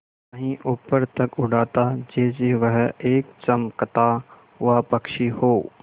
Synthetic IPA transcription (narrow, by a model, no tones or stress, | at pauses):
ɐɦĩʔʊpəɾt̪ɐkʊɖaːt̪ad͡ʒeːd͡ʒeʋəɦeːk̚t͡ʃɐmkɐt̪a | ʋaːpɐkʃihoː